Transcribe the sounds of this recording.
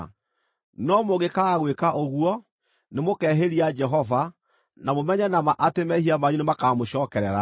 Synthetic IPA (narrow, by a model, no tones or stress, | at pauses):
nɔmoɣekaɣwekaʔoɣuɔ | nemokɛːɦeɾiad͡ʒɛɦɔva | namomɛɲɛnamaʔatemɛhiamaɲunemakaːmoɕɔːkɛɾɛɾa̰